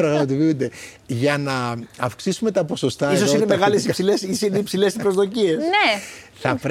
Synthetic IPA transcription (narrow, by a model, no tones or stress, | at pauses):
ɾɐɣmɐt̪̬opiund̪e̞ | ʝɐnɐɐfksisume̞t̪ɐpo̞so̞st̪ɐisosoinemeɣɐlesipsilesiineipsile̞sipɾo̞zðo̞cie̞se | θɐpɾ